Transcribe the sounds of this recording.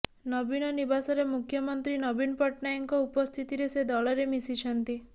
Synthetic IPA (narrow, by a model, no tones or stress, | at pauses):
nɔbinɔnibasɔɾemukʰjɔmɔnt̪ɾinɔbinpɔʈnajɔŋkɔupɔst̪ʰit̪iɾesed̪ɔɭɔɾemisit͡ʃʰɔnt̪i